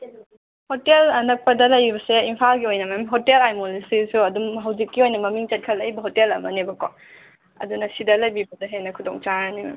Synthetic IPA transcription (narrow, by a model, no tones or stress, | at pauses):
hotelɐnɐk̚pɐdɐlɐjbɐseimpʰalɡiojnɐmamɦotelajmolisisuɐdumɦɐwzikːiojnɐmɐmiŋt͡ʃɐt̚kʰɐlːɐjbɐɦotelɐmɐnebɐko̰ | ɐ̰dunɐsidɐlɐjbibɐdɐɦenɐkʰudɔŋt͡ʃaɾɐnimḛm